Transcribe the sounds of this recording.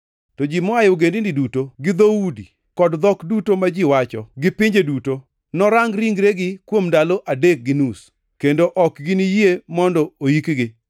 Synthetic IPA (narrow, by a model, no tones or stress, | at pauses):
tɔd͡ʒimɔajoɡendindidutoɡɪd̪oudi | kɔdd̪ɔkdutomad͡ʒiwat͡ʃɔɡɪpɪɲd͡ʒeduto | nɔɾaŋɾiŋɡɾeɡɪkwomndaloʔadek̚ɡɪnus | kendoʔɔkɡɪnijiemɔndɔojikɡɪ